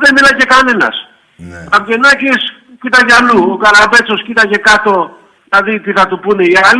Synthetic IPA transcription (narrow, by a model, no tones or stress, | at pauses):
ðemilɐce̞kɐnenɐ̰s | ɐpʝe̞nɐcis | cit̪ɐʝɐluokɐɾabe̞t͡so̞scit̪ɐʝe̞kɐt̪o̞ | ðilɐðit̪iθɐt̪upuneiɐl